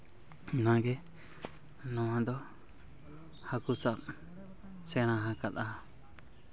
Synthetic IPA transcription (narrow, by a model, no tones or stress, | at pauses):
nãɡɛ | nɔ̃ãd̪ɔ | hakusap̚ | sɛɽ̃ãɦãkat̪a